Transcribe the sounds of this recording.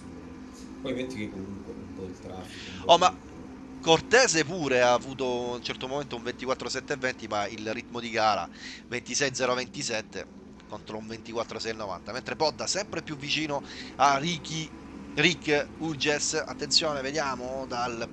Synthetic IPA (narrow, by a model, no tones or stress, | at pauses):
pɔjment̪ikekːomuŋkweumpɔilt̪ɾat | ɔma | kːort̪ɛːzepuːɾeaːvuːt̪ount͡ʃɛrt̪omoment̪ouɱvent̪ikwat̪ːɾosɛt̪ːeevːɛnt̪imailrit̪ːmod̪iɡaːɾa̰vent̪isɛjd̪zɛːɾovent̪isɛt̪ːḛ | kont̪ɾoũɱvent̪ikwat̪ːɾosɛjnːova̰nt̪ament̪ɾepɔd̪ːasɛmpɾepjuvːit͡ʃiːnoariki | rikːud͡ʒesa̰t̪ːent̪sjoːneved̪jaːmod̪al